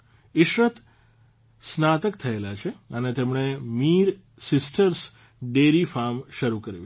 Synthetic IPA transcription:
ɪʃɾət̪ | snat̪əkt̪ʰəelat͡ʃʰeənet̪emɳemiɾ | sɪsʈəɾs | ɖeɾifaɾmʃəɾukəɾjṵ̃

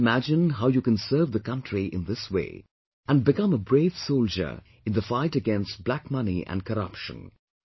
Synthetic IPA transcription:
mæd͡ʒɨ̃nɦaʊjukɨ̃nsɜ˞vðəkʌ̃ntʰɹ̥iʔɪ̰̃nðɪswḛɪ | ə̃nbɨkʌ̃məbɹeɪv̥soʊld͡ʒə̰˞ | ɨ̃nðəfaɪɾɨɡɛ̃nst̚b̥lækmʌnḭʔə̰̃n̚kʰəɾʌpʃə̰̃n

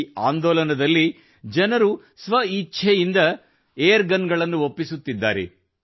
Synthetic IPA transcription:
a̰ːnd̪ɔːlɐnɐd̪ɐlːi | d͡ʒɐnɐɾu | sʋɐitːt͡ʃʰejind̪ɐ | eːjɐɾɡɐnɡɐɭɐnːuopːisut̪ːid̪ːa̰ːɾḛ

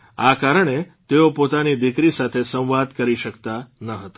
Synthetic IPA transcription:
akaɾəɳ̃e | t̪eopot̪anid̪ɪkɾisat̪ʰesə̃w̃ʋad̪kəɾiʃəkt̪anəɦət̪ḁ

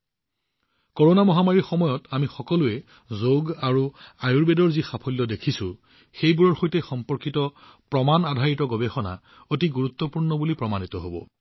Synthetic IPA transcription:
kɔɹonamɔɦamaɹiɹxɔmɔjɔtamixɔkɔlʊɛ | zoɡaɹuajuɹbedɔɹzixapʰɔlːɔdekʰisʊ | xejbuɹɔɹxojtɛxɔmpɔɹkitɔ | pɹɔmanadʱaɹitɔɡɔbexɔna̰ | otiɡuɹut̪ːɔpuɹnɔbulipɹɔmanitɔɦobɔ̰

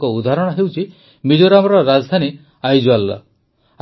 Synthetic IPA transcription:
kɔud̪ʱaɾɔɽ̃ɔɦewt͡ʃʰi | mid͡ʒoɾamɔɾɔɾad͡ʒd̪ʱani | ajd͡ʒualːa̰

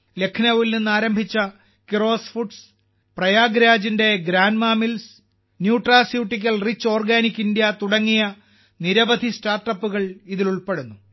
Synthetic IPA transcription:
le̞kʰnɐʋilninːaːɾɐmbʱit͡ɕːɐ | kiro̞ːsfuʈs | prɐjaːɡɾaːd͡ʑinde̞ɡɾaːnmaːmils | njuːʈraːsjuːʈːik̬ʲːɐlrit͡ɕːo̞ːrɡaːnikʲːindjɐt̪uɽɐŋːijɐ | niɾɐbɐd̪ʱistaːrʈːɐpːuɣɐɭiðiluɭpe̞ɽunːu

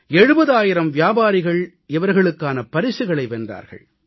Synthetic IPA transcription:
ɛɻɯbɐðaːjɪɾɐmʋjaːbaːɾɪɣɐɭ | ɪʋɐɾɣɐɭɯkːaːnɐpɐɾɪsɪɣɐɭɐɪʋɛndra̰ːɾɣɐ̰ɭ

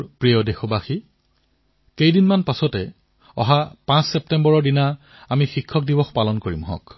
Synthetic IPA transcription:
pɹijɔdexɔbaxi | kejdinmanpasɔtɛ | ɔ̰ɦapãssɛp̚tɛmbɔɹɔɹdina | amixikʰːɔk̚dibɔxpalɔnkoɹimɦɔ̰̃k

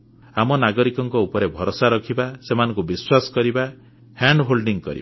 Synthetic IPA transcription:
amɔnaɡɔɾikɔŋkɔupɔɾebʱɔɾosaɾɔkʰibasemanɔ̃ŋkubiswasɔ̥kɔɾiba | haɳɖɦolɖiŋkɔ̰ɾḭba

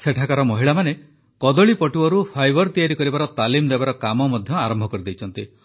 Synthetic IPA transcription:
seʈʰakaɾɔmɔɦiɭamane | kɔd̪ɔɭipɔʈiɔɾupʰajbɔɾt̪ijaɾikɔɾibaɾɔt̪alimd̪ebaɾɔkamɔmɔd̪ʱjɔaɾɔmbʱɔkɔɾid̪ejt͡ʃʰɔnt̪i

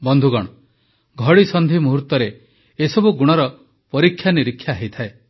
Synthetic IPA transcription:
bɔnd̪ʱuɡɔɽ̃ɔ | ɡʱɔɽisɔnd̪ʱimuɦuɾt̪ɔɾe | esɔbuɡuɽ̃ɔɾɔ | pɔɾikʰːjaniɾikʰːjaɦejt̪ʰae

